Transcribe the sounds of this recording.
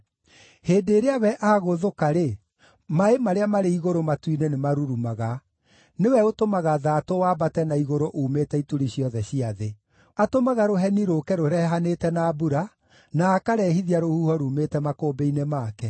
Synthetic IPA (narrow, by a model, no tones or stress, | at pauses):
heːdeːɾeawɛʔaɣoðokaɾe | maemaɾeamaɾeiɣoɾomatwinenemaɾuɾumaɣa | newɛotomaɣaðaːtowaːbatɛnaiɣoɾoʔuːmetɛituɾiɕjɔðɛɕiaðe | atomaɣaɾoɦɛniɾokɛɾoɾɛɦanetɛnaːbuɾa | naːkaɾɛhiðiaɾohuːhɔɾumetɛmakoːbeinemaːkɛ